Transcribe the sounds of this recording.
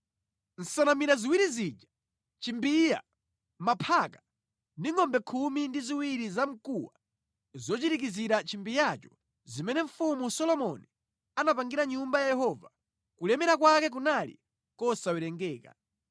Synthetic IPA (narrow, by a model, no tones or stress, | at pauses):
n̩sanamiɾaziwiɾizid͡ʒa | t͡ʃimbija̰ | mapʰaka | ndiŋɔmbɛkʰumindiziwiɾizam̩kuwa̰ | zɔt͡ʃitik̬iziɾat͡ʃimbijat͡ʃɔ̥ | zimɛnɛɱ̩fumusɔlɔmɔni | anapaŋɡiɾaɲumbajajɛɦɔva | kulɛmɛɾak̬wakɛk̬unalḭ | kɔsawɛɾɛŋɡɛːka̰